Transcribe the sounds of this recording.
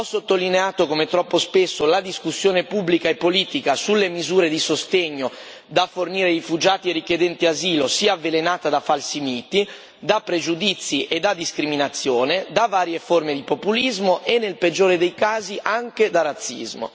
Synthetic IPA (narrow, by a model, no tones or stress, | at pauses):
ɔsːot̪ːolineaːt̪okomet̪ɾɔpːospesːolad̪iskusːjoːnepubːlikaepːoliːt̪ikasulːemizuːɾed̪isost̪eɲːo | d̪aforniːɾerifud͡ʒaːt̪ierik̟ed̪ɛnt̪iaziːlosiːaavːelenaːt̪ad̪afalsimiːt̪i | d̪apːɾed͡ʒud̪it̪sːiʔed̪ːad̪iskɾiminat̪sːjoːned̪avaːɾjeformed̪ipopulizmoʔenːelped͡ʒːoːɾed̪ejkaːziʔaŋk̟ed̪arat̪sːḭzmo̰